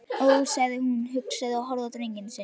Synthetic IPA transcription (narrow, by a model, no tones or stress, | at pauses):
owsaðɪhunɦʏksaðɪawɦɔɾðat̪ɾejɲcɪnːsɛ